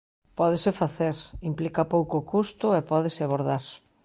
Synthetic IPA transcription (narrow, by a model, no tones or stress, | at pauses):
pɔðesɪfaθeɾimplikapowkoːkust̪ʊɛpɔðɪsɪaβoɾðaɾ